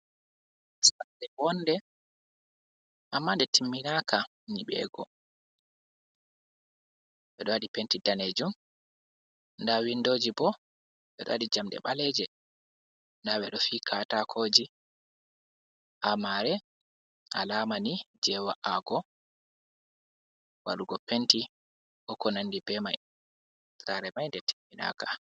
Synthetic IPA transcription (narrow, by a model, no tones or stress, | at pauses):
asadɛbɔndɛ | ʔamːaːndɛtimːinaːkʰa | niɓɛ̰ːɡɔ̰ | ɓɛɗɔwaɗipentidaned͡ʒum | ndawindoːd͡ʒibɔ | ɓɛ̰ɗɔ̰aɗid͡ʒamɗɛ̰ɓalɛd͡ʒɛ | ndaɓɛɗɔfikʰatakʰoːd͡ʒi | ʔamaɾɛ | a̰laːmanid͡ʒɛwaʔaɡɔ | wa̰ɗuɡɔpenti | ʔɔkɔnandibɛmaj | tɾaɾɛmajndɛtʰi̥mina̰ka